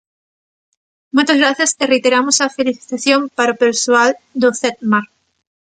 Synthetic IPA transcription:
mojt̪ozɣɾaθjaserejt̪eɾamosafeliθi̥t̪aθjompaɾopeɾsoald̪oθet̪̚maɾ

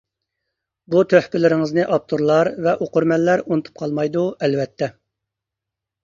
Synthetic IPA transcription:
but̪ʰøhpɪlɪɾɪŋəznɨʔɑp̚t̪ʰuɾlˠɑɾvɛʔoqʊɾmɛlːæɾunɨt̪ʰu̥p̚qʰɑlˠmɑjd̪uɛlvɛt̪ʰːɛ

